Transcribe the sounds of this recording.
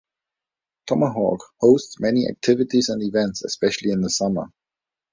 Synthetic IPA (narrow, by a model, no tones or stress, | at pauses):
tʰɒməɦɔ̰ːɡ̥hoʊstsmɛniʔa̰k̚tʰɪvɪtizə̃ndɪvɛ̃ntsə̰spɛʃəl̩ˠiɪ̃nðəsʌmə̰